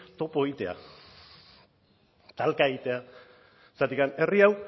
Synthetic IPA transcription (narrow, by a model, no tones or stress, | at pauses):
t̪o̞poeit̪e̞a̰ | t̪alkaeɣit̪e̞a | sat̪ikane̞riaw